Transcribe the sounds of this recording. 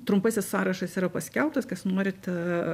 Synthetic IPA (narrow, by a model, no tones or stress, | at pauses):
t̪ɾʊmpɐsʲɪssɑːɾɐʃɐsiːɾɐpɐsʲkʲɛlˠp̚t̪ɐskɐsnuɔːɾʲɪt̪